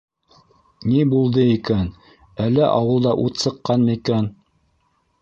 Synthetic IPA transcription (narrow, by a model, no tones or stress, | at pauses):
nibulˠd̪ɤikæn | ælːæʔɑwɤ̆lˠd̪ɑʔut̪sɤ̆qːɑnmɤikæn